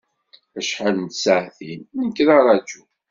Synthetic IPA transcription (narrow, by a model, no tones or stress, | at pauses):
æʃħalnsaʕθinəkːɾɑɾˤɑd͡ʒu